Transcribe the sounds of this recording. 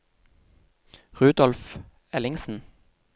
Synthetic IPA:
ʁʉːd̪ɔlf | ɛlɪŋsn̩

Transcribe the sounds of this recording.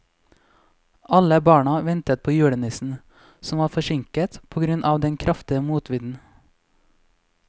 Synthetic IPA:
ʔɑləbɑːɳɑʋɛnt̪ət̪̚pʰoːjʉːɽənɪsn̩ | sɔmʋɑːfɔʃɪŋkət̪pʰoːɡɾʉnʔɑːʋd̪ɛnkʰɾʔɑft̪ɪəmuːt̪ʰʋɪd̪n̩

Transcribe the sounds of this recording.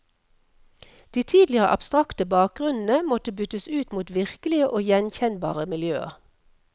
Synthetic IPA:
d̪̥iːt̪ʰiːd̪lɪəʁə̰ʔɑ̰b̥st̪ʁɑkt̪əbɑːk̚ɡʁʉnn̩əmɔt̪əbʏt̪əsʉːt̪muːt̪ʋɪʁkəlɪəʔoːjɛnçɛnbɑ̰ːʁəmɪljø̰ːə̰

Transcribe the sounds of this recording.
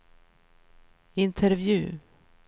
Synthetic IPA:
ɪnt̪ʰəɾvjʉ̟ː

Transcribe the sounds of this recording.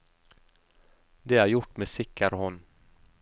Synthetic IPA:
d̪eæɾjʊʈːmeːsɪkʰːaɾhɔnː

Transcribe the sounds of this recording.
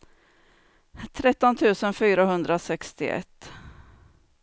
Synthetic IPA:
t̪ʰɾɛt̪ːɔnt̪ʰʉ̟ːsənfyːɾaɦɵnd̪ɾasɛkst̪ɪ̰ʔɛ̰t̪ː

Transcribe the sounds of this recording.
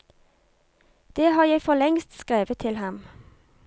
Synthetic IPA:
d̪̥eːhɑːʁjæɪfɔlɛŋst̪skʁeːʋət̪ʰɪlhɑm

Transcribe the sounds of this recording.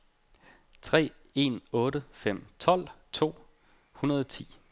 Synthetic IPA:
t͡sʰʁɛ̰ː | e̝nɔ̽ːɾəfem̰t͡sʰɒ̽l̰t͡sʰo̝̰ː | hunɐð̞ˠt͡sʰḭː

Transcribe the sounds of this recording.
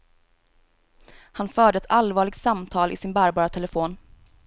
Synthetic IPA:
hanfœːɖəɛt̪ʰalvɑːɭɪɡ̚t̪samt̪ʰɑːlʔɪ̰sɪnbæːɾbɑːɾat̪ʰɛləfoːn

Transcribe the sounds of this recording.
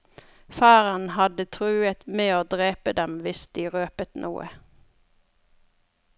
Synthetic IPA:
fæːʁənhɑd̪ət̪ʰʁʉːət̪meːoːd̪ʁeːpəd̪ɛmʋɪsd̪iːʁøːpət̪nʔṵːʔə̰

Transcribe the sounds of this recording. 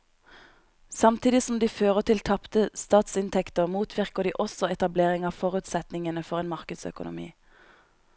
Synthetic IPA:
sɑmt̪ʰiːd̪ɪsɔmd̪iːføːʁət̪ʰɪlt̪ʰɑpt̪əst̪ɑːt̪sɪnt̪ʰɛkt̪əʁmuːt̪ʰʋɪʁkəd̪iːʔɔsɔɛt̪ɑbleːʁɪŋɑːʋfɔʁʉːt̪sɛt̪nɪŋənəfɔʁeːnmɑʁkəd̪sœ̰kʊnʊ̰mḭː

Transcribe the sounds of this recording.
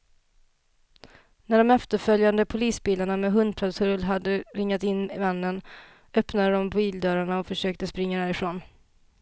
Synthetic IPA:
næɖɔmɛft̪əɾfœljand̪əpʰʊliːsbiːlaɳamɛɦɵnd̪̚pʰɾɔd̪sʰɵɾlɦad̪ːəɾɪŋːat̪ɪnːvanːən | œpnad̪əd̪ɔmbiːld̪œːɾaɳaɔfœʂøːk̚t̪əspɾɪŋːad̪æːɾɪfɾoːn

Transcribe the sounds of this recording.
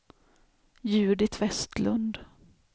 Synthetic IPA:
jʉ̟ːɖɪt̪ʰvɛst̪lɵnd̪

